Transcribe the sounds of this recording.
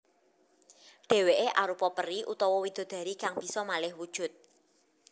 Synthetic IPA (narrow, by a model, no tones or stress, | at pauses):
ɖ̥e̤weʔeʔaɾupɔpəriʔut̪ɔwɔwid̪̥o̤d̪̥ä̤ɾikaŋb̥i̤sɔmalɪhwud̥ʒ̥ʊ̤t̪̚